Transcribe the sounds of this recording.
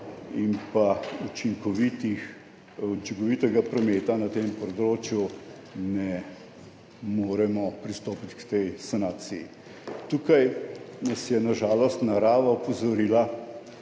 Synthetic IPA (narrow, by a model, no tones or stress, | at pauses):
impaut͡ʃiŋkɔʋit̪ix | ut͡ʃiŋkɔʋiːt̪ɛɡapɾɔmeːt̪anat̪empɔd̪ɾoːt͡ʃju | nɛ | moːɾɛmɔpɾist̪oːpit̪kt̪ɛjsanaːt̪sijḭ | t̪uːkajnɐsjɛnaʒaːlɔst̪naɾaːʋaɔpɔzɔɾiːla